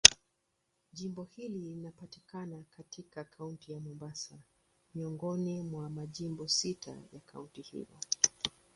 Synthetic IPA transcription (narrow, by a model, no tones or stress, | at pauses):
ʄimbɔhililinapati̥kanakatikakʰauntijamɔmbasa | miɔŋɡɔnimwamaʄimbɔsitʰa̰jakʰauntihḭlɔ̰